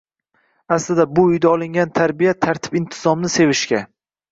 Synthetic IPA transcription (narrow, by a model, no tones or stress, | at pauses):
aslɪd̪abʊːjd̪aɒlˠɪŋɡʲant̪ʰaɾbijat̪ʰaɾt̪ʰɪ̥pɪnt̪ʰɪzɒmnɪse̞vɪʃkʲa